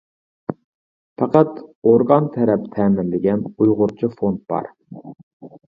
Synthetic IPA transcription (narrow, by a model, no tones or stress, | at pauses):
pɑqʰɑt̪oɾɡɑnt̪ʰɛɾɛpt̪ʰɛːmɪnlɪɡʲɛnujʁʊɾt͡ʃʰifont̪̚b̥ɑ̰ɾ